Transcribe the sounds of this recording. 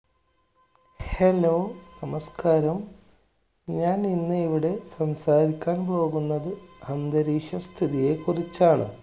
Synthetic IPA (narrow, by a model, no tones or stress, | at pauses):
helownɐmɐskaːɾɐm | ɲaːninːɨiʋiɽe̞sɐmsaːɾikʲːaːnpo̞ːɣunːɐðɨhɐnd̪ɐɾiːʂɐst̪ʰiðije̞kurit͡ɕːaːɳɨ̰